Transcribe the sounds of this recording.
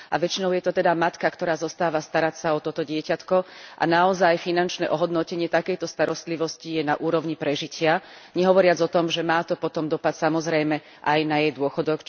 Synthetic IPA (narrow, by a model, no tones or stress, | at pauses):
ʔa̰ʋɛt͡ʃinɔʊjɛt̪ɔt̪ɛd̪amat̪kakt̪ɔɾaːzɔst̪aːʋast̪aɾacsaɔt̪ɔt̪ɔɟɪɛcat̪kɔʔa̰naɔzajfinant͡ʃnɛʔɔɦɔd̪nɔcɛɲɪɛt̪akɛjt̪ɔst̪aɾɔst̪liʋɔscijɛnaʔuːɾɔʊɲipɾɛʒicɪaɲɛɦɔʋɔɾɪad͡zɔt̪ɔmʒɛmaːt̪ɔpɔt̪ɔmd̪ɔpat̪samɔzɾɛjmɛ | ʔajnajɛjd̪ʊɔxɔd̪ɔk